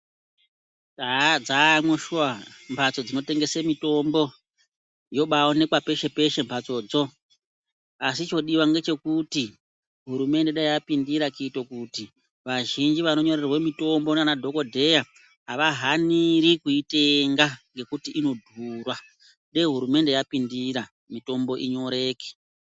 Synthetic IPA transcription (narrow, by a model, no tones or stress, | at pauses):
ad͡zamwoʃuwambʰʱat͡so̞d͡zino̞te̞ŋɡe̞semito̞mbo̞ | jo̞ɓaone̞kwape̞ʃe̞pe̞ʃe̞mpʰat͡so̞ːd͡zo̞ | asit͡ʃo̞ɗiwaŋɡe̞t͡ʃe̞kuti | ɦuɾume̞ndeɗaiapindiɾakitokuti | ʋaʒind͡ʒiʋano̞ɲo̞rerwemito̞mbo̞nanadʱo̞ko̞dʱe̞ja | ɦaʋaɦaniɾikuite̞ŋɡaŋɡe̞kutiʔino̞dʱurwa | ɗeɦuɾume̞nde̞japindiɾa | mito̞mbo̞ʔiɲo̞ɾe̞ːke̥